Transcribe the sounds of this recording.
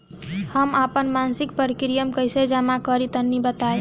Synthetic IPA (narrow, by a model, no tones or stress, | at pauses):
həmapənmansik̚pəɾikɾijəmkəjsed͡ʒəmakəɾit̪ənːibət̪ae